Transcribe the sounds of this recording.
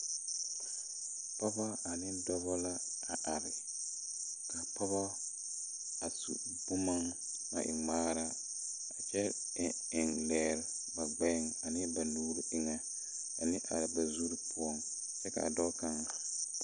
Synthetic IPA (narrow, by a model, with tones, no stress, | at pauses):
pɔ˦ba˦a˨nɪ˦dɔ˦bɔ˦la˦ | a˨ʔa˨ɾɪ˨ | ka˨pɔ˦βa˦ | a˨sṵ˨ | bʊ˦ma˦ŋ | ma̰˨ʔɪ˨ŋ͡maː˦ɾa˦ | a˨t͡ʃɛ˦˨ | ɪ˨ŋlɛː˨ɾ | ba˨ɡ͡bɛ˦˨ŋa˨nɪ˦ba˨nuː˨ɾi˨ʔɪ˦ŋa˦ | a˨nɪ˦ʔa̰˨ɾɪ˨ba˨zu˦ɾi˦pu˦ɔ˦ŋ | t͡ʃɛ˦ka̰˨a̰˨dɔ˦ka˦ŋ